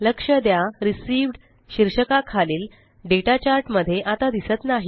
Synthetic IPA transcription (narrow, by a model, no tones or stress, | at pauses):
ləkʂəd̪jaɾisiːʋɖ | ɕiɾʂəkakʰaliːl | ɖeʈat͡ɕaɾʈməd̪ʱːjeʔat̪ad̪isət̪naɦi